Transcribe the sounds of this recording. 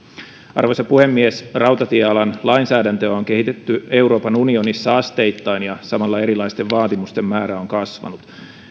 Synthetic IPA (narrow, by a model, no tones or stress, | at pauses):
ɑ̰rʋosɑpuhe̞mːiesrɑwt̪ɑt̪ieɑlɑnlɑinsæːdænt̪øoŋke̞ɦit̪et̪ːye̞uɾo̞ːpɑnunio̞nisːɑɑst̪ejt̪ːɑinjɑsɑmɑlːɑe̞ɾilɑjst̪e̞ʋʋɑːt̪imust̪e̞mːæːɾæoŋkɑsʋɑ̰nut̪